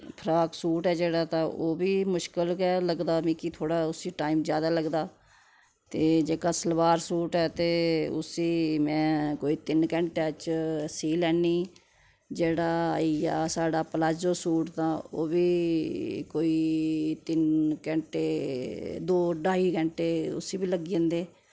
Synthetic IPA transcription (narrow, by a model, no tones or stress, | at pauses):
pʰəɾaːksuːʈɛːd͡ʒeːɽaːt̪ãːʔoːbiːmʊʃkəlkɛːləɡd̪aːmĩːkit̪ʰoːɽaːʊsiːʈaːiːmzjaːd̪aːləɡd̪aː | t̪eːd͡ʒeːkaːsəlʋaːɾsuːʈɛːt̪eːʊ̰siːmɛ̃ːkoːiːt̪ɪnkɛ̃ːɳʈeːət͡ʃsiːlɛːniː | d͡ʒeːɽaːija̰ːsaːɖaːpəlaːd͡ʒoːsuːʈt̪ãːo̰ːbiː | koːiːt̪ɪnkɛ̃ːɳʈeː | d̪oːɖaːiːkɛ̃ːɳʈeːʊ̰siːbiːləɡiẽːnd̪eː